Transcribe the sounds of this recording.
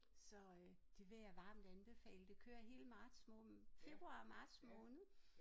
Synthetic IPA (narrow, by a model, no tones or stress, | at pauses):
sɒ̽ø | d̥e̝ʋe̝jɑ̈ʋɑ̈ːmd̥ænb̥e̝fɛ̰ːləd̥e̝kʰø̰ːɐɦe̝ːləmɑ̈ːd̥smɔfe̝b̥ʁuɑ̰̈mɑ̈ːd̥smɔ̽ːnð̩ˠ